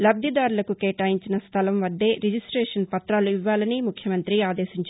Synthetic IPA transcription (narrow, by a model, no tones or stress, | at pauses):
lɐb̚d̪ʱid̪aːɾulɐkukeːʈaːjiɲt͡ʃinɐst̪ʰɐlɐmʋɐd̪ːe̞ːɾid͡ʒisʈɾeːʂɐnpɐt̪ɾaːluiʋːaːlɐnimukʰjɐmɐnt̪ɾiaːd̪eːʃiɲt͡ʃ